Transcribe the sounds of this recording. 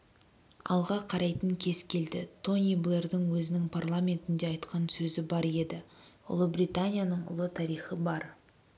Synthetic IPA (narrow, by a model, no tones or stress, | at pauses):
ɑ̰lˠʁɑqʰɑɾɑjt̪əŋkʲʰe̞zkʲʰe̞ld̪ɪt̪ʰo̞nʲijblˠe̞rd̪ɪŋwɵzɪnɪŋpʰarlˠamʲe̞nt̪ɪnd̪e̞ɑjt̪qɑnsɵzɪbɑɾe̞d̪ɪ | ʊ̰lˠəbɾijt̪anʲijanəɴʊ̰lˠət̪ʰɑɾijχəbɑɾ